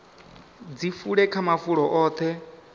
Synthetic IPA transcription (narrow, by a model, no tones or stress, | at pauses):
d͡zifuɺɛkʰamafuɺɔʔɔːt̪ʰɛ